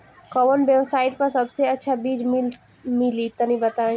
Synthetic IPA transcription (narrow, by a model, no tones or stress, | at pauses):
kɔʋənbeʋsaːɪʈ̚pɐɾsɐbseɐtːʃʰabiːd͡ʒmɪ | mɪlit̪ənibɐt̪ã